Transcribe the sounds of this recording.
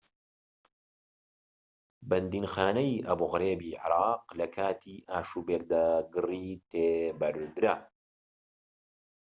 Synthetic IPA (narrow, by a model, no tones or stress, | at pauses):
bɐnd̪iːnxaːnɐjʔɐbuɣɾeːbiːʕɪ̰ɾaːqlɐkʰaːt̪ʰiːʔaːʃuːbek̚d̪aːɡɨriːt̪ʰeːbɐɾd̪ɾɐ